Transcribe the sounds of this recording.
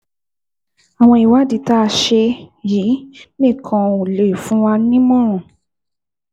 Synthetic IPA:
a˨w̃ɔ̃˧i˨wa˦di˨ta˦˧ʃe˧jiː˨˦mĩ˦˨kʰɔ̃˧u˨le˨fũ˨˦wa˧nĩ˦mɔ̃˦ɾ̃ũ˨

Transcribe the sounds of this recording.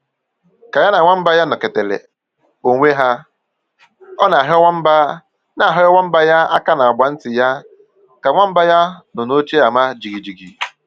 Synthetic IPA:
ka˨ja˦na˨ŋʷa˦m̩˦ba˦ja˦nɔ˨ke˨te˨lḛ˨ | o˨ŋʷe˦ɦa˦ | ɔ˦na˨a˨ɦwʷa˦m̩˦ba˦ | na˨a˨ɦɪ˦ɔ˦wa˦m̩˦ba˦ja˦a˦ka˦na˨ɔ˨ɡ͡ba˨n̩˦tɪ˨ja˦ | ka˨ŋʷa˦m̩˦ba˦ja˦nɔ˨no˦t͡ʃe˦a˨ma˦d͡ʒi˨ɡi˨d͡ʒi˨ɡi˨

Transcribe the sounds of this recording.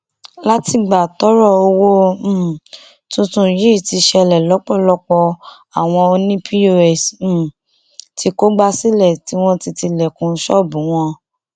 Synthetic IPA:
la˦ti˧ɡ͡ba˨tɔ˨˦ɾɔ˦˨o˧wõ˦˨ | tũ˧tũ˧˦ji˦˨ti˧ʃɛ˧lɛ˨lɔ˨˦k͡pɔ˦˨lɔ˦k͡pɔ˧ | a˨w̃ɔ̃˧o˧nĩ˦pʰi˦o˦ɛ˨s̩˦˨ | tʰi˧ko˦ɡ͡ba˦˧si˦lɛ˦˨ti˨˦w̃ɔ̃˦ti˧ti˧lɛ˨kũ˧˦ʃɔ˦˨bũ˨˦w̃ɔ̃˧

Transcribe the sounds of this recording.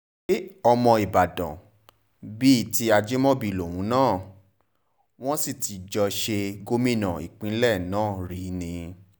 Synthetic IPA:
e˦ɔ˧mɔ̃˧i˨ba˨dã̰˨ | bi˦˨ti˧a˧d͡ʒe˦mɔ̃˦bi˧˨lo˨w̃ũ˨˦nãː˦˨ | w̃ɔ̃˦si˦˨ti˨˦d͡ʒɔ˧ʃe˧ɡo˦mĩ˦˨nã̰˨ḭ˨k͡pĩ˧˦lɛ˦˨nãː˦˨ɾi˨˦nĩ˧

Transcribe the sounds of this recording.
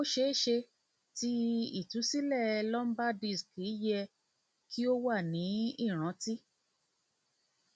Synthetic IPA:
o˦ʃe˦e˦˨ʃe˧ | ti˦i˦˨tu˨˦si˦lɛ˦˨lɔ˦m̩˦ba˦di˦˨ski˨˦jɛ˧ | ki˦o˦wa˦˨nĩ˨˦i˦˨ɾ̃ã˨˦ti˦

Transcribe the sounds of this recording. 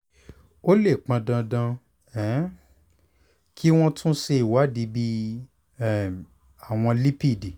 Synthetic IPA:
o˦le˦˨k͡pã˨˧dã˧dã˧ | ɛ˨˦ | kʰi˦w̃ɔ̃˦tʰũ˦ʃe˧i˨wa˨˦di˨˦bi˦˨ | a˨w̃ɔ̃˧li˦pi˦˨di˨

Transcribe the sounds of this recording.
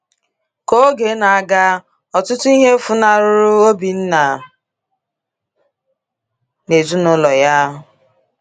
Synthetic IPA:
ko˦ɡe˨˦na˨a˨ɡa˦ | ɔ˨tʊ˦tʊ˦i˦ɦe˦fʊ˦na˨ɾʊ˦ɾʊ˦o˦bi˨n̩˦na˨ | ne˨zu˦nʊ˦lɔ˨ja˦ɦʊ˨

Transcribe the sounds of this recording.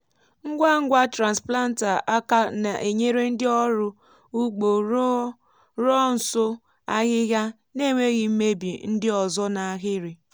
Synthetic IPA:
ŋ̩˦ɡʷa˦ŋ̩˦ɡʷa˦tɾa˨n˨spla˦n̩˦ta˨a˦ka˦na˨ʔe˨ɲe˦ɾe˦n̩˦dɪ˦ɔ˦ɾʊ˦ | u˦ɡ͡bo˨ɾ | ɾɔ˦n̩˨sʊ˦ | a˦ɣɪ˦ɣja˦ | ne˦˨ŋʷe˦ɣi˨m̩˦me˦bi˨n̩˦dɪ˦ɔ˨zɔ˦na˨a˨ɣɪ˦ɾɪ˨

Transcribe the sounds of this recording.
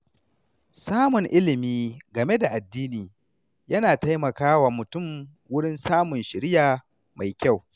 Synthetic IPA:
saː˦mʊ˨ŋʔɪ˦lɪ˨miː˦ɡɐ˨me˦da˨ʔa˨dːiː˦niː˨ | jɐ˦naː˨ta˦jmɐ˨kaː˦wa˨mʊ˨tʊ˦˨m | wʊ˦ɽɪ˦nsaː˦mʊ˨nʃɪ˨ɾɪ˦jaː˨ | ma˨jkʲa˦˨w

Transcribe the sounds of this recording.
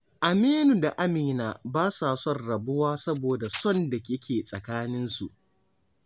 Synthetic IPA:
ʔa˨meː˦nu˨da˨ʔa˦miː˨naː˨baː˦sa˨sɔ˦˨rɽɐ˨bʊ˦waː˦sɐ˦boː˨da˨sɔ˦nda˨kʲɪ˦kʲʰeː˨sʼɐ˨kaː˦nɪ˦nsu˨ʔ

